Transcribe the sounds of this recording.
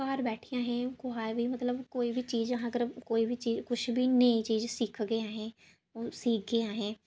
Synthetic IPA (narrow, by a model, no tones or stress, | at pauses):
kaːɾbɛːʈʰijãːɦɛ̃ːkʊɦaːbiːmət̪ləbkoːiːbʱiːt͡ʃiːzɦãːəɡəɾkoːiːbiːt͡ʃiːkʊʃʰbʱiːneĩt͡ʃiːzsɪːkʰɡeːaːɦɛ̃ː | oːsiːk̚ʰɡeːaːɦɛ̃ː